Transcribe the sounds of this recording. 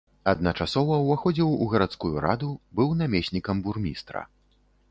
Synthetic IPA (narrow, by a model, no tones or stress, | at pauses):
ɐd̪̚nɐt͡ʂasɔvɐwvaxɔd͡zʲiwuɣɐɾat̪skujuɾa̰d̪ubɨwnamʲesʲnʲikɐmburmʲist̪ɾɐ̰